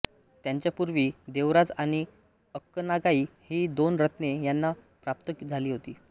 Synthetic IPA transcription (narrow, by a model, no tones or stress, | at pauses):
t̪jaɲt͡ɕjapuɾʋiːd̪eʋɾad͡zaɽ̃i | əkːənaɡaiːhiːd̪onɾət̪nejanːa | pɾap̚t̪əkd͡zʱaliːɦot̪iː